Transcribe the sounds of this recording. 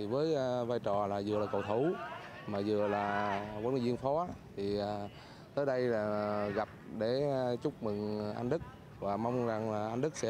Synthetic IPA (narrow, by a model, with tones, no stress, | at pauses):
i˨˩vəː˨˦jvaː˧jt͡ɕɔ˨˩laː˨˩zɨ˨əlaː˨˩kə̰˨˩wt̪ʰu˧˩˦ | maː˨˩zɨ̰˨əlaː˨˩vnː˨˧˩zi˧ənfɔ˨˦t̪ʰi˨˩aː˨˩ | t̪əː˨˦jɗə˧jlaː˨˩ɣa˨˩p̚ɗe˧˩t͡ɕʊ˦˥k͡p̚mɨ˨˩ŋʔa̰˧jŋ̟ɗɨ˦˥k̚ | vaː˨˩ma˧wŋ͡mza˨˩ŋlaː˨˩ʔa˧ŋ̟ɗɨ˦˥k̚sɛ̰˧˥